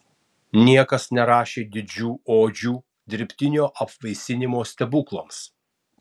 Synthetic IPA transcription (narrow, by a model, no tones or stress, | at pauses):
nʲiɛkɐsnʲɛɾɑːʃʲeːd̪ʲɪd͡ʒʲuːoːd͡ʒʲuː | d̪ʲɪɾʲpʲt̪ʲɪnʲoːʔɐpʋɐɪsʲɪnʲɪmoːsʲt̪ʲɛbʊklˠɐms